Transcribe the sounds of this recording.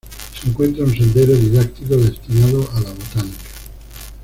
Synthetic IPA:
seŋkwe̞nt̪ɾauns̬ẽ̞nd̪e̞ɾoðiðak̚t̪ikoðe̞st̪inaðoʔalaβ̞ot̪anikḁ

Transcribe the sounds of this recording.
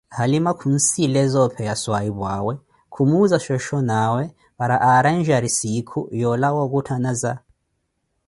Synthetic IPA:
halimakʰun̩silɛzɔpʰɛjaswaiβwawɛ | kʰumuzaʃɔʃɔnawɛ | βaɾaʔaɾanʒaɾisikʰujɔlawɔɣutʰanaza

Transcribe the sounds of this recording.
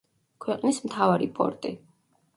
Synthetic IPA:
kʰwɛqʼnismt̪ʰavaɾipʰʼɔ̰ɾt̪ʼi

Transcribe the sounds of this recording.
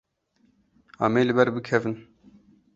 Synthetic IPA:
a̰ːmeːlɨbɛɾbɨkʰɛvɨn

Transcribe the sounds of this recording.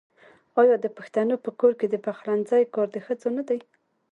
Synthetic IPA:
ɑjɑd̪əpaxt̪anopəkoɾked̪əpaxɾanzajkɑɾd̪əxəd͡zonad̪aj

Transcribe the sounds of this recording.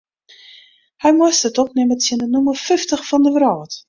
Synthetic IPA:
hɛjmʊəstətɔpnɪmətsjiəndənuməfɪftəxfɔndəʋrɔːt

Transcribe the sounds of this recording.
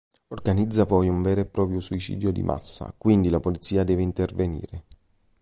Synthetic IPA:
orɡanid̪zːapɔjuɱvɛːɾoepːɾɔːpɾjosuit͡ʃḭːd̪jod̪ḭmʔa̰sːa̰kwind̪ilapolit̪sːiːad̪ɛːveint̪ervenḭːɾe

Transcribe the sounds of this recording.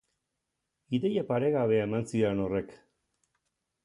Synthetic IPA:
iðejapaɾe̞ɣaβe̞aemansiɾeno̞re̞k

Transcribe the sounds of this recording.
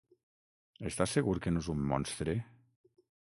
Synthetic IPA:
est̪asːeɣuɾkenoezumːɔ̰nst̪ɾe

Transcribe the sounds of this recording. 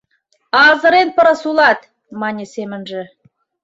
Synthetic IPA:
ɑzə̆ɾenpɤ̆ɾɤ̆sulˠɑt̪ | mɑnʲesemɘ̆nʒɘ̆

